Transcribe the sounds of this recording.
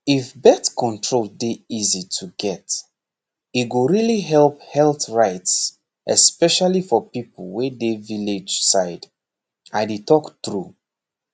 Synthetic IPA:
ifbɛtkʰɔ̃ntʰɹoldeizitʰuɡɛt | it̚ɡoɹiliɦɛlˠp̚hɛlˠθɹaɪts | ʔɛ̰spɛʃalifɔpipəl̩ˠwɛdeviled͡ʒsaɪd | ʔaɪdetʰɔkθɹu

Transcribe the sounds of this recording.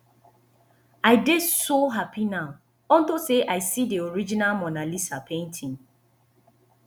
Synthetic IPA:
aɪdesoɦapinaʊ | ɔn̩toseʔaɪsidioɾid͡ʒinalmɔnalisapʰẽntʰĩŋ

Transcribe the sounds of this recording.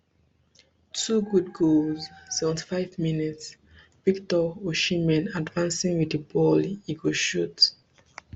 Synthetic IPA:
tʰuɡud̚ɡolzsɛvɛ̃nti̥faɪvminits | v̥iktɔoʃimɛ̃nadvãnsĩŋwidibɔliɡoʃut

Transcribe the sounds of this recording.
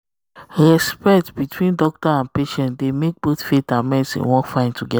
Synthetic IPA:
ɹɛspɛtbitwĩndɔk̚tɔãnpeʃɛ̃ntdemek̚boθfetãmɛ̃sḭ̃wɔ̃kfãɪ̃ntuɡɛ

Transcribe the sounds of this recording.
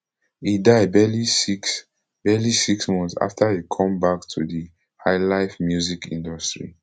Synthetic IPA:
idaɪbɛlisiks | b̥ɛlisiksmɔ̃nsa̰ftʰaikʰɔ̃mbaktʰudi | haɪlaɪfmjuzikḭ̃ndɔstɹḭ

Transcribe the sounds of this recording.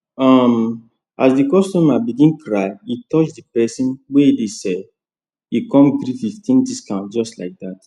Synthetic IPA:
ɔm | asdikɔstumabiɡĩnkʰɹaɪitɔt͡ʃdipɛsĩnweidesɛ | ikɔ̃mɡɾififtĩndiskãʊ̃nd͡ʒɔstla̰ɪk̚dat

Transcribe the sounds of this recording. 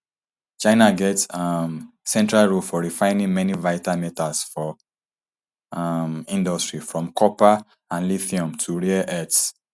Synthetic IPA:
t͡ʃãɪnaɡɛtsm | sɛ̃ntɹalɹulfɔɹifãɪ̃nĩŋmɛnivaɪtamɛtasfɔ | mĩndɔstɹifɹɔ̃mkʰɔpa | ãnliθiɔ̃mtʰuɹeaʔɛts

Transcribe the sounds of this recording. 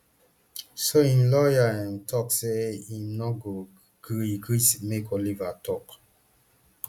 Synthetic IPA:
soĩnlɔjaɛ̃ntʰɔkseĩmnɔɡo | ɡiɡɹismekʰɔlivatʰɔk

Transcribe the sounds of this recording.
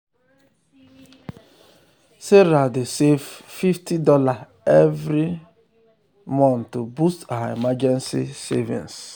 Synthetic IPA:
seɾadɪseffiftidɔla | evɾi | mɔ̃ntobustaɦaimad͡ʒɛnsḭsḛvḭ̃ns

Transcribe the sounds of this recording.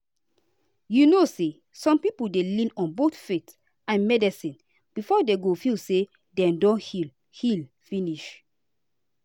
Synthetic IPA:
junose | sɔ̃mpipuldelĩnɔ̃nbotfet | ãnmɛdɛsĩn | b̥ifɔdeɡofilse | dɛ̃mdɔ̃nhil | hil | fĩniʃ

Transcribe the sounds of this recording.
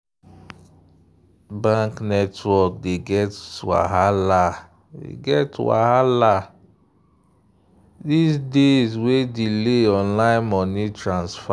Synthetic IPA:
bãŋknɛtwɔk̚deɡɛtwa̰ɦala | dḛɡɛtwa̰ɦala | disdezwedileɔ̃nlaɪ̃nmɔnitɹãnsfa

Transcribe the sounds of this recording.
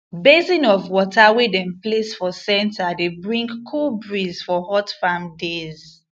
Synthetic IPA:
bezĩnɔvwɔtawedɛ̃mplesfɔsɛ̃ntadebɹĩŋkkʰːulbɹiz̥fɔhɔtfamdez̥

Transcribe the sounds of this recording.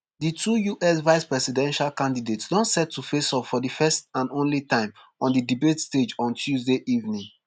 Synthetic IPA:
ditʰujuʔɛsvaɪspɹɛsidɛ̃nʃalkãndidetsdɔ̃ntsɛtʰːufesɔpfɔdifɛstãnõnlitãɪ̃m | ɔ̃ndidibetsted͡ʒɔ̃ntjuzdeʔivnĩŋ

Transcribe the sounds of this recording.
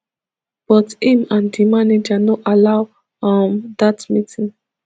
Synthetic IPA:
b̥ɔtĩmãndimaned͡ʒanoʔalaʊ | amdatmitʰĩŋ

